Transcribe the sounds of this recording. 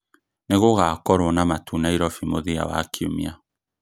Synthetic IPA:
neɣoɣakɔɾwɔnamatʰunaiɾɔfimoðia̰wa̰kʰiumḭa

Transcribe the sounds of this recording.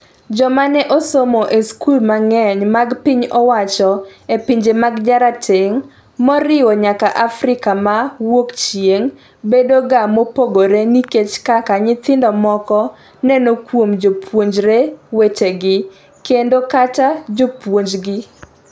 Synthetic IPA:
d͡ʒɔmanɛʔɔsomoʔeskulmaŋɛɲmaɡpɪɲɔwat͡ʃɔepiɲd͡ʒemaɡd͡ʒaɾatʰɪŋ | mɔɾɪwɔɲakaʔafɾɪkamawokt͡ʃjeŋ | bedoɡamopoɡoɾeniket͡ʃkakaɲɪt̪ɪndɔmɔkɔ | nɛnokwomd͡ʒopwoɲd͡ʒɾeweteɡɪ | kendokatad͡ʒopwoɲd͡ʒɡɪ

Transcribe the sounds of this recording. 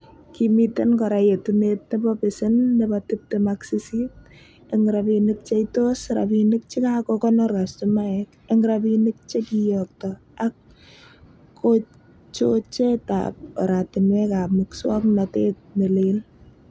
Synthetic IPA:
kimitenkɔɾajetunet̚nebɔpɪsɪnːebɔtɪp̚tɪmaksisit̚ | eŋɡɾapinɪk̚t͡ʃeitosɾa̰pinɪk̚t͡ʃikakɔkɔnɔɾastumaɛk | eŋɡɾapinɪk̚t͡ʃekijɔk̚tɔ | ak | o | t͡ʃot͡ʃeta̰p̚ɔ̰ɾatɪnwɛkapmɪkswɔknatet̚melel

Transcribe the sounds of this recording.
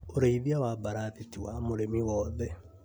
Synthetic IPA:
oɾeiβjawabaɾaðitiwamoɾemiwɔðɛ

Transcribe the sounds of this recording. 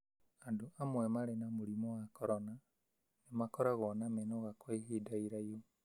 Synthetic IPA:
andoamwɛmaɾenamuɾimɔwakɔɾɔna | nemakɔɾaɣɔnamenoɣakweɦidaiɾajo

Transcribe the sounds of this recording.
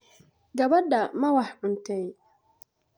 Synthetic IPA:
ɡɐβɐdamɐwaħʕʊnt̪ʰɛj

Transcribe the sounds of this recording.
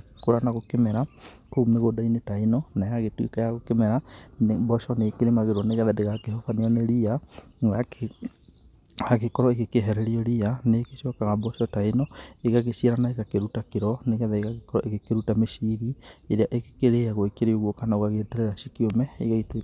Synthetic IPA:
koɾanaɣokemɛɾakoumneɣodainetainɔnajaɣetwikajaɣokemɛɾabɔʃɔneːkeɾemaɣeɾwɔneɣɛðɛdeɣakeɦɔfaneɔneɾiaŋake | aɣekɔɾɔeɣekeɦɛɾɛɾiɔɾianekeʃiakaɣabɔʃɔtainɔeɣaɣesieɾanaekakeɾutakeɾɔneɣɛðɛeɣaɣekɔɾɔʔeɣekeɾutameʃiɾieɾeaʔeke̥keɾeaɣoekeɾeoɣwokanaoɣaɣeːtɛɾeɾaʃikiomɛeɣaitwe

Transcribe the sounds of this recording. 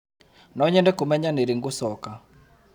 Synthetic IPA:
nɔɲɛndɛkomɛɲaneɾiŋɡosɔka

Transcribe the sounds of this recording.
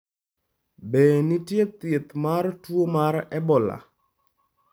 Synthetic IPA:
benitjet̪jet̪martwomaɾɛbɔla̰

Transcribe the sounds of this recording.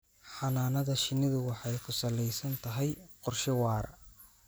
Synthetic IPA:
ħɑnaːnɐðɐʃɪnɪðʊwɑħɑjkʰʊsɐlɛjsɐnt̪ʰɐɦɛjqɔrʃɪwɑːɾ

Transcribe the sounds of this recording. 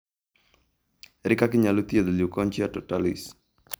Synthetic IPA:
ɾɪkakɪɲalut̪ied̪eliukɔɲt͡ʃiatɔtalis

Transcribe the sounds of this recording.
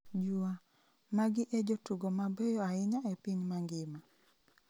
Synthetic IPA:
d͡ʒua | maɡɪʔɛd͡ʒotuɡomabɛjɔaɪɲaɛpiɲmaŋɡɪma

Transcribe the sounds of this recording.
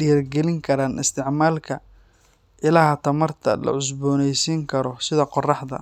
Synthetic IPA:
ɪjɐrɡɛlɪŋkʰɐɾaːnʔɪst̪ʰɪʕmaːlkʰɐ | ʔɪlaːhɐt̪ʰɐmɐrt̪ʰɐ̰lɐ̰ʕʊs̬bɔːnɛjsiːŋkʰɐɾɔsɪðɐqɔrɑħd̪ɐ̰

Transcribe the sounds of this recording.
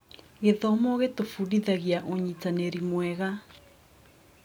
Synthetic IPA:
ɣeðɔmɔɣetofuɾiðaɣjaʔoɲitaneɾimwɛɣa

